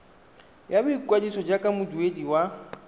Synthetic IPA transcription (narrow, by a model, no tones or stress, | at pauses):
jabʊikʼwadisɔd͡ʒakʼamʊduediwa